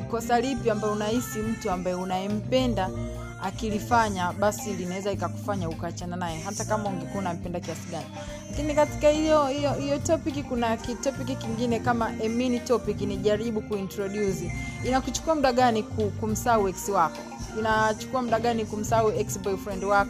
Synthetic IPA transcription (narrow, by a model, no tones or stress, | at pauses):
kɔsalipjiambaɛunahisim̩tuambajɛunaɛm̩pɛnda | akilifaɲaɓasilinawɛzaikaku̥faɲaukaːt͡ʃananajɛɦatakamauŋɡɛkuunam̩pɛndakiasiɡani | lakinikati̥kahijɔhijɔhijɔtɔpikikunakitɔpikikiŋɡinɛkamaʔɛminitɔpikiniʄaɾiɓukuintɾɔɗjuziinakut͡ʃu̥kuam̩uɗaɠanikukum̩sauɛksiwakɔ | inat͡ʃu̥kuamuɗaɡanikum̩sauɛksbɔifɾɛndwakɔ